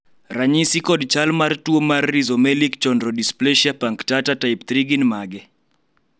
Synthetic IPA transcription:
raɲisikɔdt͡ʃalmartuomarːizɔmɛlikt͡ʃɔndɾɔdisplɛʃiapaŋktatatajpt̪ɾiɡinmaɡɛ

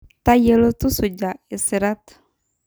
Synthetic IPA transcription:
t̪ajəlot̪usud͡ʒaʔesiɾat̪

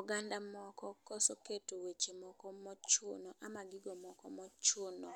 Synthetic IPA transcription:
ɡandamɔkɔkɔsoketowet͡ʃemɔkɔmɔt͡ʃʊnɔʔamaɡɪɡɔmɔkɔmɔt͡ʃʊnɔ

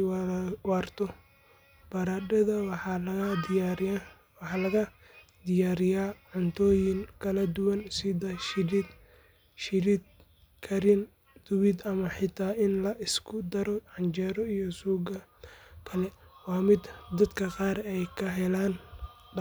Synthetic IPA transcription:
waːrt̪ʰɔ | b̥ɐɾadɐðɐ | wħɑlɐɣɐ | d̪ɪjaːɾɪjaːʕʊnt̪ʰɔːjɪŋkʰɐlɐd̪ʊwɐnsɪðɐʃɪd̪ | ʃɪɾɪd̪ | kʰɐɾɪn | d̪̥ʊwɪd̪ɐmɐħɪt̪ʰaːɪnlɐʔɪskʰʊd̪ɐɾɔʕɑnt͡ʃɛːɾɔijɔsuːɡɐkʰɐlɛwɑːmɪd̪d̪ɐd̪kʰɐqɑːɾɛjkʰɐɦɛlaːn

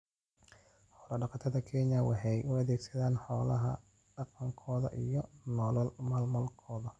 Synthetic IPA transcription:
ħɔːlɐɖɑqɑt̪ʰɐðɐkʰɛɲɐwɑħɛjʔʊɐðɛːɡsɐðaːnħɔːlɐɦɐ̰ | ɖ̥ɑqɐŋkʰɔːðɐ̰ʔijɔnɔlɔlmɐlmɔlkʰɔːðɐ

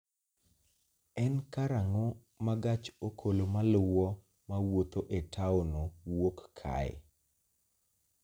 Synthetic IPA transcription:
ɛnkaɾaŋɔ | maɡat͡ʃokʰolomalʊwɔ | mawot̪oʔetʰaonowokkʰa̰ḛ

